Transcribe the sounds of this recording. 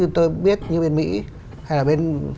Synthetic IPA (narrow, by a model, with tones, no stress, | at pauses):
ɲɨ˧t̪o˧jɓi˦˥ət̚ɲɨ˧ɓe˧nmḭ˧˥ | ha˧jlaː˨˩ɓe˧n